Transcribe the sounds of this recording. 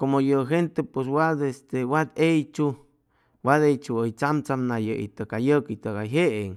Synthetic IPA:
komojəɦent̪epwes̬wad̪est̪ewad̪ejt͡ʃu | wad̪ejt͡ʃuəjt͡samt͡samnajəḭt̪əkajəkit̪əɣaɦeʔeŋ

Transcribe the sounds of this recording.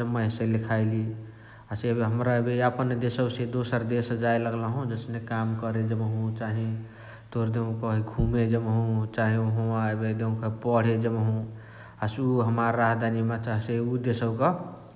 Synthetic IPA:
əməɦselikʰajli | asebɦəmɾaebeəpənd̪esəbsẽd̪osəɾd̪esd͡ʒajləɡləɦũd͡ʒəsnekamkəɾed͡ʒəmɦũt͡ʃaɦi | t̪oɾd̪eũkəɦiɡʱumed͡ʒəmɦũt͡ʃaɦĩɦũaebed̪eũkəpəɽ̤ed͡ʒəmɦũ | asuɦəmaɾːaɦd̪ʱanimat͡ʃaɦseud̪esəbke

